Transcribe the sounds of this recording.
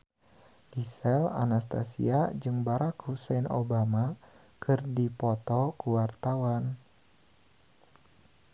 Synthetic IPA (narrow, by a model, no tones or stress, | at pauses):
ɡisɛla̰nast̪asḭad͡ʒɨŋbaɾakhusɛno̰bama | kʰɨrdipɔt̪ɔkuwart̪awan